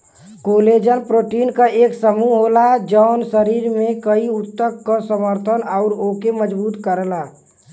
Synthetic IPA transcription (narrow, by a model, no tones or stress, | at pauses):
koːled͡ʒənpɾoːʈiːnkaeːksəmuɦoːlad͡ʒɔːnsəɾiːɾmẽkəiʊt̪ːəkːasəməɾt̪ʰənɔʊɾoːkeməd͡ʒbuːt̪kəɾla